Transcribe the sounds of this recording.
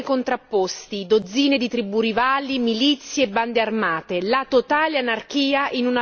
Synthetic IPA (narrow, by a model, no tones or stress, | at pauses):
kont̪ɾapːost̪id̪od̪zːiːned̪it̪ɾibuːɾivalːimilit̪sːjeːbːand̪earmaːt̪elat̪ot̪aːleanark̟iːaʔinuna